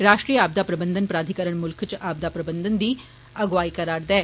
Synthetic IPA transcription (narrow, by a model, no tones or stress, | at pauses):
ɾaːʂʈɾijəaːb̚d̪apɾɐbənd̪ʱənpɾaːd̪ʱikəɾəɳmulkʰət͡ʃʔab̚d̪apɾɐbənd̪ʱənd̪iː | ɐɡʋaːikɐɾaɽd̪ɛː